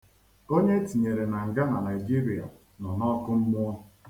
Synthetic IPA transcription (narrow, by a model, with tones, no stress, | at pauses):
o˦ɲe˦ti˨ɲe˨ɾe˨na˨ŋ̩˨ɡa˦na˨na˨ɪ˨d͡ʒi˦ɾi˨a̰˨ | nɔ˨nɔ˦kʊ˦m̩˦mʊ˦ɔ˦